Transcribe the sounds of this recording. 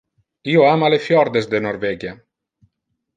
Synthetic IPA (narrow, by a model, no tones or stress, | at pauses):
ioamalefjɔɾd̪ezd̪enoɾβeɡja